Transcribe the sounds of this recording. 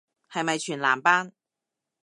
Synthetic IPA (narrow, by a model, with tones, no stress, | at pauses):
hɐ˨jmɐ˨˩jt͡ʃʰyː˨˩nlaː˨˩mpaː˥n